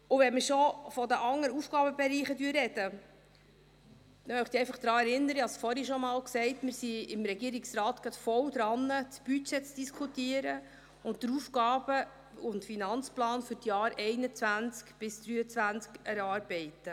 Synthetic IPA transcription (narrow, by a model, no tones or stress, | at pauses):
ʊvɛnmɪʃɔfɔd̪əʔɑŋːəɾufɡ̥ɑːbəbɛɾiːχədyːɾɾɛd̥ə | t̪ɛnœʊχd̥̪iɛɪfɑχd̪̥ɾɑːɛɾɪnːəɾəɑsfɔɾiʃɔmɑːlksɛɪtmɪɾsiɪmɾɛɡiəɾiksɾɑːt̪ɡ̥ɾɑt̪fɔwd̪ɾɑnːət͡sb̥yt͡ʃɛt͡sd̥iskʰutiəɾə | ʊnt̚dəɾufɡɑːbə | ʊntfinɑnt͡splɑːnfʏɾtjɑːɾɛɪnət͡svænt͡skb̥ɪsd̪̥ɾyːət͡sʋænt͡skɛɾɑːɾbɛɪtə